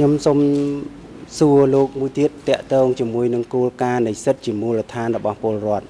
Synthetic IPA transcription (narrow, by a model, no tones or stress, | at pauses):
kʰɲomsom | suəloːk̚muəjt̪iət̪ːɛ̆əʔt̪ɔːŋt͡ɕiəmuəjnɨŋkoːlkaːnɨjsɨt̪̚t͡ɕiəmuːlət̪ʰaːnrɔɓɑhpŏəlrŏət̪̚